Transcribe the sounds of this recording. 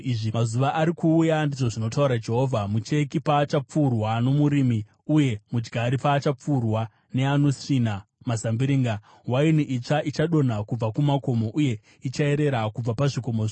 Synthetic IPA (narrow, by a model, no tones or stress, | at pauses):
iʐimazuʋaʔːɾikuːjandiʐo̞ʐino̞tauɾad͡ʒe̞ɦoːvʱamut͡ʃe̞kipaːt͡ʃap͡furwano̞muɾimi | uje̞mud͡ʒɡʱaɾipaːt͡ʃap͡furwa | ne̞ano̞sinamasambiɾiːŋɡa | wainiʔit͡ʂaʔit͡ʃaɗo̞n̤akub͡vakumako̞mo̞ʔuje̞ | it͡ʃae̞ɾe̞ɾakub͡vapaʐiko̞moʐi